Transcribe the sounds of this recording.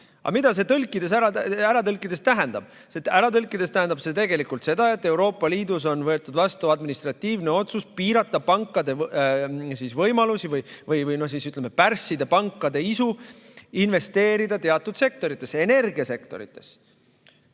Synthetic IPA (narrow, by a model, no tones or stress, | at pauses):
ɑ̰mid̪ɑs̬e̞t̪ɤlkːˑid̪̥e̞s̬æɾɑæɾɑt̪ɤlkːˑid̪est̪æɦend̪̥ɑb̥ | sest̪æɾɑt̪ɤlkːˑid̪̥e̞st̪æɦend̪ɑbse̞t̪e̞ɡe̞likult̪se̞d̪ɑe̞t̪ːˑe̞wɾo̞ːpːˑɑliːd̪uso̞nvɤ̞et̪ːˑud̪̥vɑst̪uɑd̪minist̪ɾɑt̪ːiːvne̞o̞t̪suspiːɾɑt̪ːˑɑpɑŋkːˑɑd̪e̞ | siːsvɤjmɑlusivɯjvɯjvɯjno̞hs̬iːsyt̪ːˑlemepærsːid̪epɑŋkːˑɑd̪e̞isu | inve̞st̪e̞ːɾid̪ɑt̪e̞ɑt̪ːˑud̪̥se̞k̚t̪o̞ɾit̪ˑːe̞se̞ne̞rɡiɑse̞kt̪o̞ɾḭt̪ːˑe̞̥s